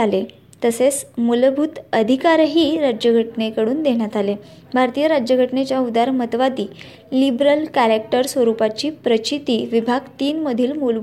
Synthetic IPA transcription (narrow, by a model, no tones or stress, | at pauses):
ale | t̪əset͡smulbʱut̪əd̪ʱikaɾɦiːɾad͡ʑjəɡʱəʈnekəɽuːnd̪eɳ̃jat̪ale | bʱaɾt̪ijəɾad͡ʑjəɡʱəʈnet͡ɕjaud̪aɾmət̪ʋad̪iː | libɾəlkæɾek̚ʈəɾsʋəɾupat͡ɕiːpɾət͡ɕit̪iːʋibʱaɡt̪iːnməd̪ʱiːlmul